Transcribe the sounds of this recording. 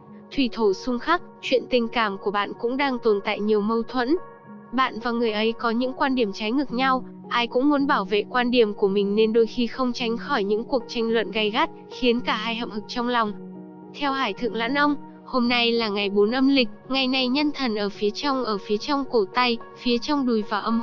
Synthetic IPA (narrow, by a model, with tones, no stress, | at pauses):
t̪ʰwi˧˩t̪ʰo˧˩sʊ˧ŋ͡mxa˦˥k̚t͡ɕwḭ˧˨ənt̪ï˨˩ŋ̟kaː˧˩mku˧˩əɓa̰ː˧˨nkʊ̰˧˥ŋ͡mɗaː˧ŋt̪o˨˩nt̪a̰ː˧˨jɲi˨˩əwmə˧wt̪ʰwə̰˧˥n | ɓa̰ː˧˨nvaː˨˩ŋɨ˨˩əjʔə˨˦jkɔ˨˦ɲɨ̰˧˥ŋkwaː˧nɗi˧˩əmt͡ɕa˨˦jŋɨ˨˩k̚ɲa˧w | ʔaː˧jkʊ̰˧˥ŋ͡mmu˨˦nɓaː˧˩wvḛ˧˨kwaː˧nɗi˧˩əmku˧˩əmï˨˩ŋ̟ne˧nɗo˧jxi˧xə˧wŋ͡mt͡ɕa˨˦jŋ̟xɔ˧˩jɲɨ̰˧˥ŋku˨˩ək̚t͡ɕa˧jŋ̟lwə̰˧˨nɣa˧˩jɣa˦˥t̚xi˨˦ənkaː˧˩ɦaː˧jhə̰˧˨w̚hɨ˨˩k̚t͡ɕɔ˧wŋ͡mlɔ˨˩wŋ͡m | t̪ʰɛ˧whaː˧˩jt̪ʰɨ̰˧˨əŋla̰ː˧˥nʔə˧wŋ͡m | ho˧mna˧jlaː˨˩ŋa˨˩jɓo˨˦nʔə˧mlï˨˩k̟̚ŋa˨˩jna˨˩jɲə˧nt̪ʰə˨˩nʔəː˧˩fi˨˦ət͡ɕɔ˧wŋ͡mʔəː˧˩fi˨˦ət͡ɕɔ˧wŋ͡mko˧˩t̪a˧jfi˨˦ət͡ɕɔ˧wŋ͡mɗu˨˩jvaː˨˩wʔə˧m